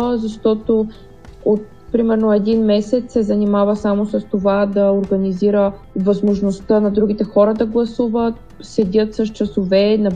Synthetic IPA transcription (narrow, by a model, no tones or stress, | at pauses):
zɐʃt̪ɔt̪o | ot̪̚ | pɾimɛɾnoɛd̪inmɛsɛt̪sɛzɐnimavəsamosɐst̪ovad̪ɐoɾɡɐniziɾəvɐzmoʒnost̪ənɐd̪ɾuɡ̟it̪ɛxɔɾəd̪ɐɡlˠɐsuvət̪̚ | sɛd̪ʲət̪sɐst͡ʃɐsovɛnɐ